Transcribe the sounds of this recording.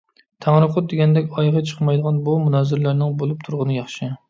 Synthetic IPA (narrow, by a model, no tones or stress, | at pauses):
t̪ʰæŋɾɨqʰʊt̪̚d̪eɡʲɛnd̪ɛkʲɑjʁɑt͡ʃʰə̥qmɑjd̪əʁɑnbumunɑːzɪɾlæɾnɪŋbolˠup̚t̪ʰuɾʁənɨjɑχʃɨ